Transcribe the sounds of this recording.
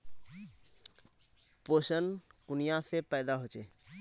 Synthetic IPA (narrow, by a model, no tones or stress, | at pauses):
posənkunijasepəjd̪aɦot͡ʃe